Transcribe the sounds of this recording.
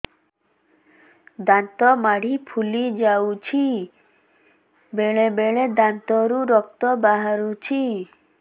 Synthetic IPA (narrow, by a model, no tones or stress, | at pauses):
d̪ant̪ɔmaɽ̤ipʰulid͡ʒawt͡ʃʰi | beɭebeɭed̪ant̪ɔɾuɾɔk̚t̪ɔbaɦaɾut͡ʃʰi